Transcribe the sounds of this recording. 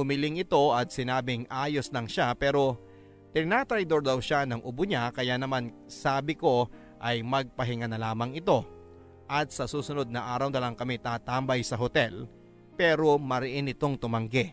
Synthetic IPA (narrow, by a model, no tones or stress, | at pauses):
ʊmɪlɪŋɪt̪o̞ɐt̪̚sɪnaːbɪŋʔaːjoslɐŋʃapɛːɾo̞ | t̪ɪnnat̪ɾɐjd̪o̞ɾd̪ɐwʃanɐŋʔʊbʊɲakɐjaːnɐman | saːbɪko̞ | ʔɐjmɐɡ̚pɐɦɪŋanɐlaːmɐŋɪt̪o̞ | ʔɐt̪̚sɐsuːsʊno̞d̪̚nɐʔaːɾɐwd̪ɐlɐŋkɐmɪt̪aːt̪aːmbɐjsɐɦot̪ɛl | pɛːɾo̞mɐɾɪʔɪnɪt̪o̞ŋt̪ʊmɐŋɡɛ